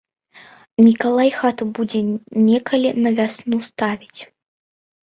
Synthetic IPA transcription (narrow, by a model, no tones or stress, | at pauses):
mʲikalˠajxat̪ubud͡zʲɛnʲɛkɐlʲinɐvʲasnust̪avʲit͡sʲ